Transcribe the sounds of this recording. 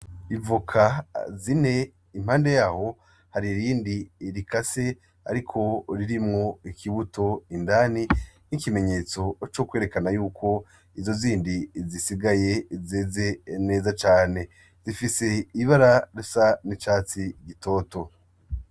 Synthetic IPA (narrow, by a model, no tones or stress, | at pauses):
ivukʰazine̞ | im̥haːnde̞jaːho̞ | haɾiɾiːndiɾikase̞ | a̰ɾikʰo̞ɾiɾimŋo̞ikʰiβutʰo̞indaːninikime̞ɲe̞ːt͡so̞t͡ʃo̞kwe̞ːɾe̞kanajuːkʰo̞ | izo̞ziːndizisiɡaje̞zeːze̞ne̞ːzat͡ʃaːne̞ | zifise̞iβaɾaɾusanit͡ʃaːt͡siɡito̞ːto̞